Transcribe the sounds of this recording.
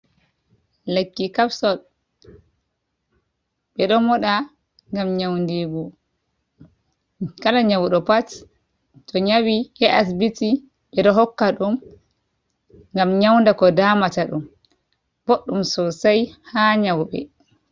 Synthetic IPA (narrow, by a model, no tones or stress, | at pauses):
lekːikafsɔ | ɓɛɗɔmɔɗa | ŋɡamɲawndiɡu | kalaɲawɗɔpat | tɔɲawihɛʔas̬biti | ɓɛɗɔɦɔkːaɗum | ŋɡamɲawndakɔdaːmataɗum | b̥oɗːumsɔsajhaɲawɓɛ̰